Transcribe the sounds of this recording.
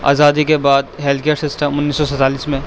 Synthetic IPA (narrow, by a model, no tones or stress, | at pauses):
a̰ːzaːd̪ikebaːd̪ɦeːlkejəɾsɪsʈəmʊnːiːsːɔsɐt̪aːliːsmẽ